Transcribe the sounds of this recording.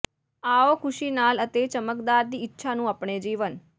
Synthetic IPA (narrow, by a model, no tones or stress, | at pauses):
aokʰuʃinalət̪et͡ʃəməkd̪aɾt̪iːtːʃʰanũapɳed͡ʒiʋən